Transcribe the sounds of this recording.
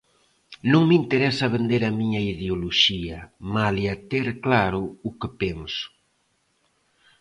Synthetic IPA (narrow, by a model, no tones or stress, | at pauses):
nũŋmint̪eɾɛsɐaβend̪eɾɐmiɲɐiðeoloʃiɐmaliat̪eɾklaɾʊʊkɪpeŋsʊ̥